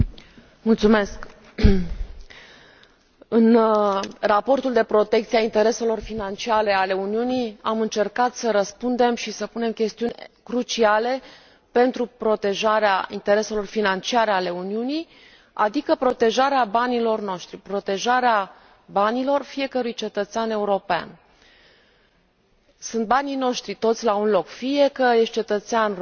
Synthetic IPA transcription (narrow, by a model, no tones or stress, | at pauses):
mult̪sume̞sk | ɨn | rapo̞rt̪uld̪e̞pɾo̞t̪e̞k̚t̪siaint̪e̞ɾe̞se̞lo̞rfinant͡ʃiaɾe̞ale̞uniuniamɨnt͡ʃe̞rkat̪səɾəspund̪e̞mʃisəpune̞mkʲe̞st̪iunʲkɾut͡ʃiale̞ | pe̞nt̪ɾupɾo̞t̪e̞ʒaɾeaḭnt̪e̞ɾe̞se̞lo̞rfinant͡ʃiaɾeale̞uniunij | a̰d̪ikəpɾo̞t̪e̞ʒaɾeabanilo̞rno̞ʃt̪ɾipɾo̞t̪e̞ʒaɾea | banilo̞rfije̞kəɾujt͡ʃe̞t̪ət̪seane̞uɾo̞pea̰n | sunt̪̚banijno̞ʃt̪ɾit̪o̞t̪sʲlaunlo̞kfije̞kəje̞st̪̚t͡ʃe̞t̪ət̪sean